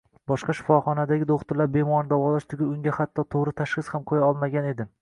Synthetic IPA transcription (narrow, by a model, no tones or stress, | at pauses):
bɒʃqɑʃɪ̥fɒχɒnad̪aɡʲɪd̪oχt̪ʊɾlaɾbe̞mɒnd̪avɒlaʃt̪ʰʊɡʲɪʊŋʲahat̪ʰːɒt̪ʰoʁɾɪt̪ʰaʃχɨshamqʰojaɒlˠmaɡʲane̞d̪ɪ